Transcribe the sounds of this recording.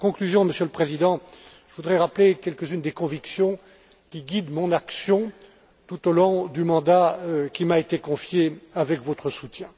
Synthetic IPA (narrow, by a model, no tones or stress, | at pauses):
kɔ̃klyzjɔ̃məsjøləpχezid̪ɑ̃ | ʒəvud̪ʁɛʁaplekʲɛlkəzynd̪ekɔ̃viksjɔ̃ | kʲiɡʲid̪mɔ̃naksjɔ̃ | t̪ut̪olɔ̃d̪ymɑ̃d̪akʲimaet̪ekɔ̃fjeavɛkvɔt̪χəsut̪jɛ̃